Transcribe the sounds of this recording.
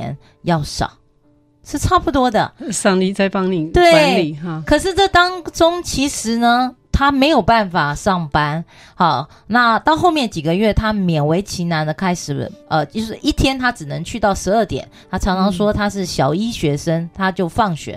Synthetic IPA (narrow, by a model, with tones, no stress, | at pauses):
ɛ̰˧˥n | jɑ˥˩ʊʂɑ̰˨˩˦ʊ | ʂɻ̩˥˧ʈ͡ʂʰa˥˩pu˥˩t̪wɔ˥d̪ə̰˨ʂɑ˥˧ŋt̪i˥˧t͡sa˥˧ɪfɑ˥ŋni˨˩t̪we˥˩ɪ˥˦li˨˩˧kʰɤ˨˩ʂ̬ɻ̩˥˧ʈ͡ʂɤ˥˩t̪ɑ˥ŋʈ͡ʂʊ˥ŋt͡ɕʰi˧˥ʂɻ̩˧˥nə˧t̪ʰa˥me˧˥ɪjo˨˩ʊpa˥˩nfa˨˩ʂɑ˥˩ŋpa˥n | xɑ˥˨˩ | na˥˧t̪ɑ˥˧ʊxo˥˧ʊmjɛ˥˩nt͡ɕi˨˩ɡə˩ɥɛ˥˩t̪ʰa˥mjɛ˨˩nwe˧˥ɪt͡ɕʰi˧˥na˧˥nd̪ə˨kʰa˥ɪʂɻ̩˨˩ʔə˧t͡ɕjo˥˧ʊʂɻ̩˥˩ʔi˥˩t̪ʰjɛ˥nt̪ʰa˥ʈ͡ʂɻ̩˨˩nɤ˧˥ŋt͡ɕʰy˥˧t̪ɑ˥˩ʊʂɻ̩˧˥ə˥˩t̪jɛ̰˨˩˦nt̪ʰa˥ʈ͡ʂʰɑ˧˥ŋʈ͡ʂʰɑ˧˥ŋʂwɔ˥t̪ʰa˥ʂ̬ɻ̩˥˩ɕjɑ˨˩ʊi˥ɕɥɛ˧˥ʂə˥ŋt̪ʰa˥t͡ɕjo˥˧ʊfɑ˥˩ŋɕɥɛ̰˧˥